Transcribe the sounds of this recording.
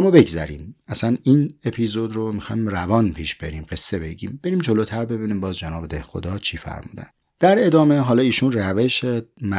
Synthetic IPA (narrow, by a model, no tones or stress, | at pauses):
æmːɒːbe̞ɡzæ̰ɾḭːmæsæniːnepʰizod̪ɾomixɒ̰jmrævɒːnpʰiːʃb̥e̞ɾiːmɡe̞sːe̞be̞ɟiːmb̥e̞ɾiːmd͡ʒoloːt̪ʰæɾbe̞biːniːmbɒːzd͡ʒenɒːbed̪ehxo̞̰d̪ɒːt͡ʃʰiːfæ̰ɾmṵːd̪æ̰n | d̪̥æɾe̞d̪ɒːme̞ɦɒːlɒːiːʃuːnræve̞ʃemæ